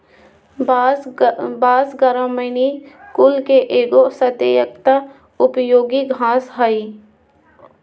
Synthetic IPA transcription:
baːsɡəɾəmənikʊlkeʔeːɡosət̪ejək̚t̪ə | ʊpjoːɡiɡʱãːsɦaːi

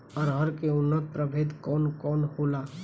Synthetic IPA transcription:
ɔːɾɦəɾkeʊnːət̪̚pɾəbʱeːd̪kɔːnkɔːnhoːlaː

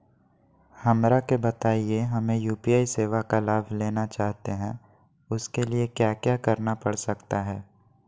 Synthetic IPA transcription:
hɐmɾakebɐt̪aːieɦɐmẽjuːpiaːiseːʋakalaːbʱleːnat͡ʃaːɦt̪eɦɛ̃ | ʊskeliekjaːkjaːkɐɾnapɐɽsɐkt̪aɦɛː

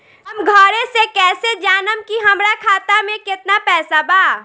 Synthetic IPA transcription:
ɐmɡʱɔːɾẽsekɛːsed͡ʒaːnəmkiɦɐmɾakʰaːt̪amẽkɪt̪napɛːsabaː

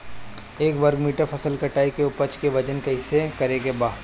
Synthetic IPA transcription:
eːkʋɐɾɡmiːʈəɾpʰɐsəlkɐʈaːikeʊpət͡ʃkeʋɐd͡ʒənkeɦɪsekɐɾekebaː

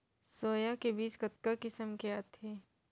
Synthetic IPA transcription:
soːjakebiːt͡ʃkɐt̪̚kakɪsəmkeat̪ʰeː

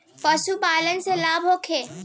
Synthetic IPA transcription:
pəsubaːlənɪ̆selaːbʱɦoːkʰeː

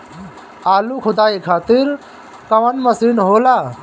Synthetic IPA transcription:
aːlukʰʊd̪aːikʰaːt̪ɪɾ | kɐʋɐnmɐsiːnɦoːlaː

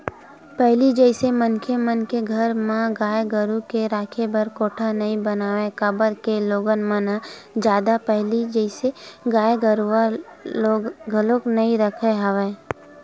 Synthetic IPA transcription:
pɛɦlid͡ʒɛɪsemənkʰemənkeɡʱəɾmãɡaːjɡəɾukeɾaːkʰebəɾkoːʈʰanɐĩbənaːʋẽkəbəɾkeloːɡənməna | d͡ʒjaːd̪apɛɦlid͡ʒɛɪseɡaːjɡəɾuaoɡʱəloːknɐĩɾəkʰeɦəʋeː

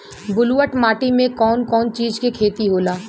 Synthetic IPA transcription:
bʊluːəʈmaːʈimẽkɔːnkɔːnt͡ʃiːd͡ʒkekʰeːt̪iɦoːlaː

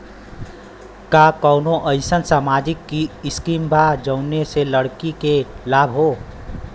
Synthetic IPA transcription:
kakəʊnoʔəɪsənsaːmad͡ʒikːiɪskimbʱad͡ʒəʊneseləɽkikelabʱɦo

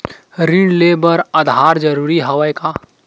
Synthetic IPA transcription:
ɾiɳɖlebəɾəd̪ʱɦaɾd͡ʒəɾuːɾiɦɐʋəjka

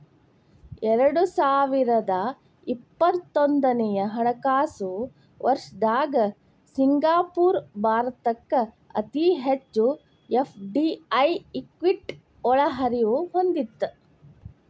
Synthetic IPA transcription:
ɛɾɐɽusaːʋiɾɐd̪ɐ | ipːɐt̪ːond̪ɐnɛjɐɦɐɳɐkaːsu | ʋʔɐɾʂɐd̪aːɡɐ | siŋɡaːpuːɾbʱaːɾɐt̪ɐkːɐ | ɐ̰t̪iɦet͡ʃːu | epʰɖiɐjikʋiʈ | ɔɭɐɦɐɾiʋuɦond̪it̪ːu

